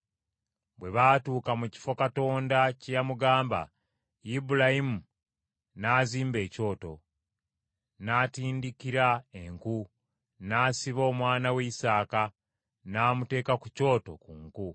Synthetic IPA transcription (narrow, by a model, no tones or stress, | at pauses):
bwe̞βatuːkamuci̥fo̞kato̞ːndacejamuɡaːmba̰ | ibulahimu | naziːmbe̞ːco̞ːto̞̰ | natiːndikiɾaeŋku | nasiβo̞ːmwaːnaweisaːka | naːmute̞ːkakuco̞ːto̞̰kuːŋku